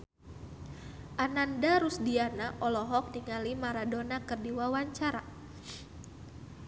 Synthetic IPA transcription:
ʔanandaɾusdianaʔɔlɔɦɔk̚niŋalimaɾadonakɨrdiwawaɲt͡ʃaɾa

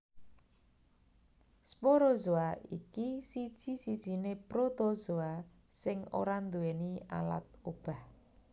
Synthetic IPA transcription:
spoɾozoaḭkisi̥ʒ̥isid̥ʒ̥i̤nepɾot̪ozoa | sɪŋo̰ɾand̪uenia̰la̰t̪̚ob̥a̤h

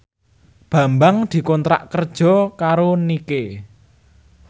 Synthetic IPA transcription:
b̥ä̤mbaŋd̪̥i̤kɔnt̪ɾa̰ʔkərd̥ʒ̥ɔ̤kaɾonike

